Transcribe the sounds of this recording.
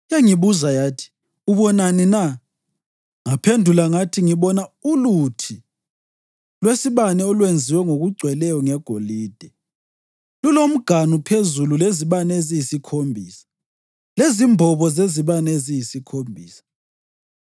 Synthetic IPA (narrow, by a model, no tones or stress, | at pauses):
jaŋiβuzajatʰi̥ | uβɔnanina | ŋapʰendʱulaŋatʰiŋiβɔnaulutʰi | lwesiβanɛɔlwend͡zʱiwɛŋoɣuɡ͡ǀʱwɛlɛjɔŋɛɡ̥ʱoliːd̥ʱɛ | lulom̩ɡ̥ʱanupʰezululeziβanezijisikʰombʱiːsḁ | lezimbʱɔβɔzeziβanezijisikʰombʱiːsḁ